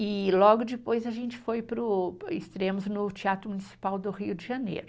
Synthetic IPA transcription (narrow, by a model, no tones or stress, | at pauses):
ɪlɔɡʊd͡ʒɪpojzɐʒẽnt͡ʃɪ̥fojpɾʊɪst̪ɾẽmʊznʊt͡ʃiat̪ɾʊmunisi̥pawd̪ʊʁiʊd͡ʒɪʒɐnḛjɾʊ